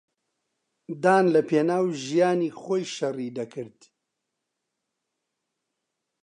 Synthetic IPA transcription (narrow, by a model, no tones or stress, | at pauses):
d̪aːnlɐpʰeːnaːwʒijaːniːxoːjʃɐriːd̪ɐkʰɨɾd̪̥